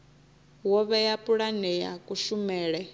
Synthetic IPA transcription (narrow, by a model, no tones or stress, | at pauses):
wɔβɛjapʼuɺanɛja̰kʼuʃumɛːɺɛ